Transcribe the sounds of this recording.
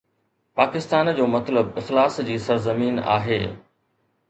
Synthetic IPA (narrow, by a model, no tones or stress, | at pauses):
paːkɪst̪aːnd͡ʑoːmɐt̪ləbɪxlaːsd͡ʑiːsɐɾzɐmiːna̰ːɦeː